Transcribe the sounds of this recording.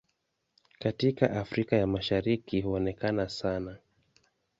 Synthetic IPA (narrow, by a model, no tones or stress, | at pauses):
katika̰ʔafɾikajamaʃaɾikihuɔnɛkanasana